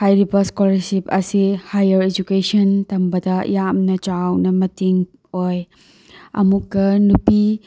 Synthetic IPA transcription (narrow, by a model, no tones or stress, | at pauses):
hʰajɾibɐskolɐɾsipɐsihajɐɾed͡ʒukesɐntɐmbɐdɐ̰jamnɐt͡ʃawnɐmɐtiŋ | oj | ɐ̰mukːɐnupi